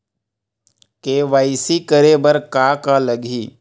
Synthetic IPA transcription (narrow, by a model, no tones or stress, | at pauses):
keːʋaːisikəɾebəɾkaːkaləɡʱiː